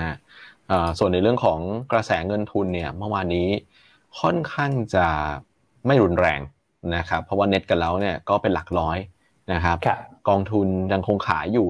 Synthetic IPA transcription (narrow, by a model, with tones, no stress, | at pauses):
a˦˥ʔɤː˨˩su˨˩ənːa˧jɾɯ˥˩əŋkʰɔː˩˦ŋkɾa˧sɛː˩˦ŋɤ˧nt̪ʰu˧nːi˥˩ɐma˥˩waː˧nːiː˦˥ | kʰɔ˥˩nkʰaː˥˩ŋt͡ɕa˨˩ | ma˥˩jɾu˧nɾɛ̰ː˧ŋ | na˦˥kʰa˦˥pʰːɔ˦˥waː˥˩ne˦˥t̪̚ka˨˩lɛː˦˥wni˥˩ɐkɔː˥˩pe˧nla˨˩k̚lɔː˦˥j | na˦˥kʰa˦˥p̚kɔː˧ŋt̪ʰu˧nja˧ŋkʰo˧ŋkʰa̰ː˩˦jjuː˨˩